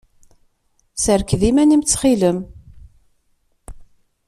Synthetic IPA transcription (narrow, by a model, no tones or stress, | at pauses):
səɾkðimænimt͡sːχiləm